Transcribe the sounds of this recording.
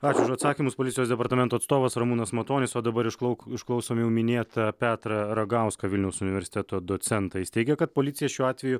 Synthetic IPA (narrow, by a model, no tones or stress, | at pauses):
ɑːt͡ʃʲʊʊʃɐt̪sɑːkʲimʊspoːlʲɪt̪ʲjoːsd̪ʲɛpɐɾt̪ɐmʲɛnt̪oːt̪st̪oːʋɐsɾɐmunɐsmɐt̪oːnʲɪsoːd̪ɐbɐɾɪʃkˠʊɪʃklˠɐʊsoːmjɛʊmʲɪnʲeːt̪ɐpʲæːt̪ɾɐɾɐɡɑˑʊskɐʋʲɪlʲnʲɛʊsʊnʲɪʋʲɛɾsʲɪ̥t̪ʲɛt̪oːd̪oːt̪sʲɛnt̪ɐjɪst̪ʲɛɪɡʲɛkɐt̪̚poːlʲɪt̪sʲɪjɛʃʲuːɑːt̪ʲʋʲɛjʊ